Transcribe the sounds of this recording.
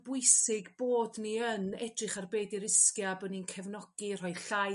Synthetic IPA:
bʊjsɪɡboːdniənɛdrɨχarbeːdiɾɪskjabəninkʰɛvnɔɡ̥ir̥ɔjɬa

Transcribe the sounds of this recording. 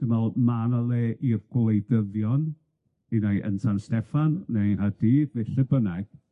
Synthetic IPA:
d̥əmalˠmanalˠeːʔirɡ̥lˠejdəðjɔn | inajʔə̰ntʰanstɛfanːejhadiːðnɪɬəbənɛɡ̥

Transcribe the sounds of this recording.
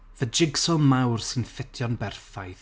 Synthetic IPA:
vəd͡ʒɪɡsɔlˠmawrsɪnfɪtʰjɔnbɛrfajθ

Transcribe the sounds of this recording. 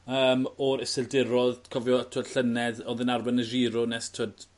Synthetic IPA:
əːmɔɾɪsɪldɪɾɔðkʰɔvjɔtʰəd̥ɬənɛdɔðənarbanəʒiːɾɔnɛstʰəd̥

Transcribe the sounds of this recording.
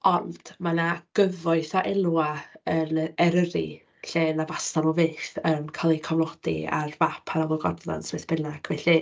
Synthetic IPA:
ɔnd̥manaɡ̥əvɔɨθaʔɛlˠwaənɛɾəɾḭ | ɬeːnavastanɔveːθənkʰalˠikʰɔvlˠɔd̥ḭa̰rvapʰanawlˠɔɡɔ̰dða̰nsvɛθb̥ɪnaɡ̥vɛɬi

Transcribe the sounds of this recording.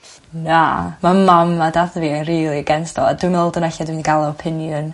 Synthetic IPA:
namamamːadaðvinriːlˠiɡɛnstɔ̰lˠa̰dwɨnɔlˠdənɛɬadwinɡalˠɔɔpʰɪnjʊn

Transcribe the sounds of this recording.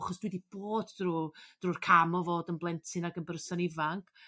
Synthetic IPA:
χɔsd̥widib̥oːdrud̥ruːrkʰamɔvoːdənblˠɛntʰɪnaɡənbərsanɪvaŋkʰ

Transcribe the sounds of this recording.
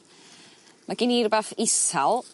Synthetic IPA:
maɡɪnirbafɪsalˠ

